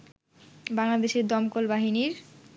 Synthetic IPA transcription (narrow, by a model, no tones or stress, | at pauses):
baŋlad̪eʃeɾd̪ɔmkolbaɦiniɾ